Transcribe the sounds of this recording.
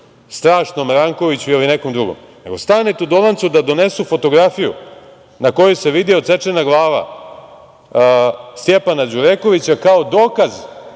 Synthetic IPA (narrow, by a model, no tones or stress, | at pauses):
st̪ɾaːʂnomɾaŋko̞ʋit͡ɕuilineko̞md̪ɾuɡo̰m | ne̞ɡo̞st̪anet̪ud̪olˠant̪sud̪ad̪o̞ne̞sufo̞t̪o̞ɡɾafijṵ | nako̞juse̞ʋid̪iot̪se̞t͡ʂenaɡlˠaːʋa̰ | st̪jepanad͡ʑuɾeko̞ʋit͡ɕakao̞d̪o̞ːkaz